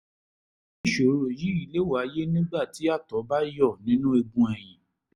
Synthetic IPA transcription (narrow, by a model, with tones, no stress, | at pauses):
i˦˨ʃo˨˦ɾo˨ji˨˦i˨le˨˦wa˨˦je˦nĩ˦ɡ͡ba˦˨ti˨˦a˦˨tɔ˨˦ba˦jɔ˦˨nĩ˨˦nũ˦e˧bũ˦ɛ˨j̃ĩ˨